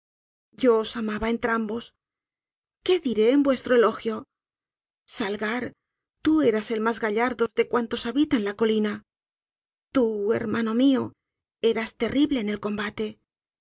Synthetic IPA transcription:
ɟ͡ʝo̞ːsamaβae̞nt̪ɾambo̞s | ke̞ðiɾe̞ːmbwe̞st̪ɾo̞e̞lo̞xjo̞ | salɣaɾ | t̪ue̞ɾase̞lmazɣaʎaɾðo̞zðe̞kwant̪o̞saβit̪anlako̞lina | t̪ue̞̰ɾmano̞mio̞ | e̞ɾast̪e̞rʔiβle̞ːne̞lko̞mbat̪e̞

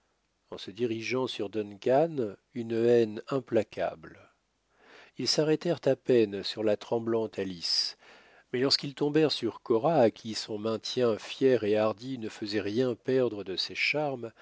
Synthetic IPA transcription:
ɑ̰̃səd̪iʁiʒɑ̃syʁd̪ɔnkanynɛnɛ̃plakʲʰa̰bl | ilsaʁɛt̪ɛʁt̪apɛnsyʁlat̪χɑ̃blɑ̃t̪ʰalis | mɛlɔʁskilt̪ɔ̃bɛʁsyʁkɔʁaːkʲʰisɔ̃mɛ̃t̪jɛ̃fjɛʁeaʁd̪inəfəzɛʁjɛ̃pɛʁd̪ʁəd̪əsɛʃaʁm

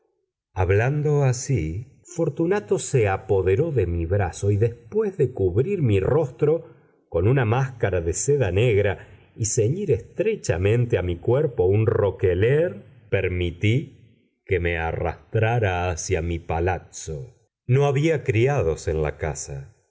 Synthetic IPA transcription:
aβland̪oasi | fo̞ɾt̪unat̪oseapo̞ðe̞ɾo̞ðe̞miβɾaso̞iðespwezðekuβɾiɾmiro̞st̪ɾo̞ | ko̞nunamaskaɾaðeseðaneɣɾa | iseɲiɾest̪ɾet͡ʃa̰mẽ̞nt̪eamikweɾpo̞unro̞keleɾpeɾmit̪i | kemeara̰st̪ɾaɾaːsjamipalat̪so̰ | noaβiakɾiaðo̞senla̰ka̰sa

